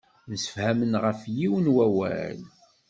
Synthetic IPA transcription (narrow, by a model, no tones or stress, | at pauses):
nəsə̥fhæmənʁəfjiwənwæwæ̰l